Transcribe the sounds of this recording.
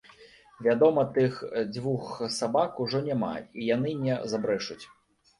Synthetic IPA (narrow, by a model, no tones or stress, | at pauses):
vʲad̪ɔmɐt̪ɨxd͡zʲvuxsabakuʐɔnʲama̰ijan̪ɨnʲɛzabɾɛʂut͡sʲ